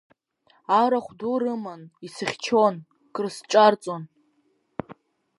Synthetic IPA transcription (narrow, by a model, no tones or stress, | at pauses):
aɾaχʷdurɨmanisɨχʲt͡ʃʰon | kʼrsʈ͡ʂʼart͡sʼon